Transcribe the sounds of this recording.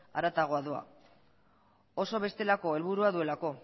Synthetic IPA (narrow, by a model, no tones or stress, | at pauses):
a̰ɾat̪aɣ̞oaðoa̰ | o̞so̞β̞e̞st̪elako̞e̞lβ̞uɾuaðue̞lako̞